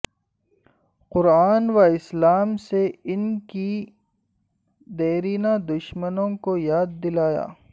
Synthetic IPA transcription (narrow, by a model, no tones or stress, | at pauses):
qʊɾaːnwaɪslaːmseɪnki | d̪eːɾiːnad̪ʊʃmənõkojaːd̪̚ːɪlaːja̰ː